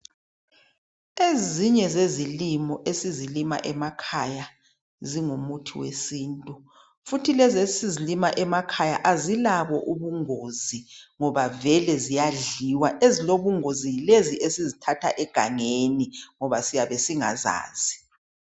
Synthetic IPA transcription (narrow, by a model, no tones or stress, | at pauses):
eziɲɛzezilimɔʔesizilima̰ʔɛmakʰaja | ziŋumutʰiwḛsiːntʼu | futʰilɛzesizilimaʔɛmakʰajaʔazilaβɔʔuβuŋoziŋɔβavɛlɛzijaɮiwaʔeziloβuŋozileziʔesizitʰatʰa̰ʔɛɡ̥ʱa̰ŋeniŋɔβasijaβɛsiŋa̰za̰ːz̥i